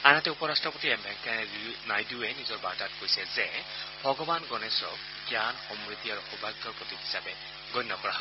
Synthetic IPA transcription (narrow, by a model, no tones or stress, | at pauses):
anatɛupɔɹastʰɔpotiɛmbʱɛŋkanajduɛnizɔɹba̰tatkojsɛzɛbʱɔɡɔbanɡɔnɛsɔ̰k | ɡjanxɔmɹit̪iaɹuxɔbʱaɡjɔɹpɹɔt̪itɦi̥sabɛ | ɡɔjnːɔkɔɹaɦɔ